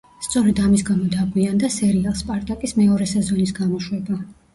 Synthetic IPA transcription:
st̪sʼɔɾɛd̪amisɡamɔd̪aɡwiand̪asɛɾialˠspʼaɾt̪ʼakʼismɛɔɾɛsɛzɔnisɡamɔʃwɛba

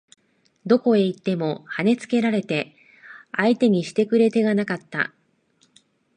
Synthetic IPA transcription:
d̪o̞ko̞e̞it̪ːe̞mo̞hane̞t͡sɨ̥ke̞ɾaɾe̞t̪e̞ | ait̪e̞ɲ̟iɕi̥t̪e̞kɯ̟ɾe̞t̪e̞ɡanakat̪ːa̰

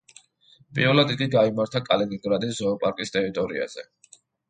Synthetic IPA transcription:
pʼḭɾvɛlˠad̪ikʼiɡaimaɾt̪ʰakʼalɛniŋɡɾad̪iszɔːpʼaɾkʼist̪ʰʼɛɾit̪ʼɔɾḭa̰z̥ɛ

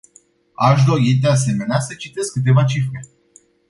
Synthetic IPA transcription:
aʃd̪o̞ɾid̪e̞as̬e̞me̞neasət͡ʃit̪e̞skːɨt̪̬e̞vat͡ʃifɾe̞

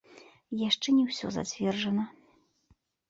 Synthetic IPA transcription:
jaʂt͡ʂɛnʲɛwsʲɔ̰za̰t͡sʲvʲɛrʐɐnɐ

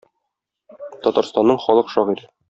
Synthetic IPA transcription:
t̪ɒt̪ɑɾst̪ɑnːɤɴχɒlˠɤqʃɒʁiɾ

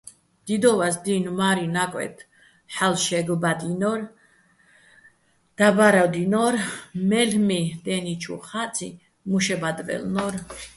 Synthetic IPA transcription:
d̪̥id̪ɔvasd̪inmaɾinakʼwɛ̰t̪ʰ | ħalʃɛɡbad̪inɔɾ | d̪̥abaɾad̪inɔɾmɛlmid̪ɛnit͡ʃʰṵχat̪sʰʼi | muʃɛbad̪vɛ̰lnɔɾ

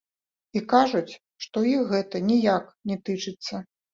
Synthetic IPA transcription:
ikaʐut͡sʲ | ʂt̪ɔixɣɛt̪ɐnʲijaknʲɛt̪ɨt͡ʂɨt̪sːɐ

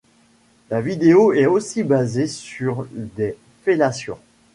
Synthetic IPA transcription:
lavid̪eoɛosibazesyʁd̪e | felasjɔ̰̃

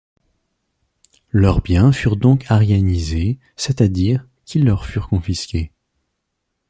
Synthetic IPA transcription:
lœʁbjɛ̃fyʁd̪ɔ̃kʰaʁanize | sɛt̪ad̪iʁ | kʲʰilːœʁfyʁkɔ̃fiskʲe

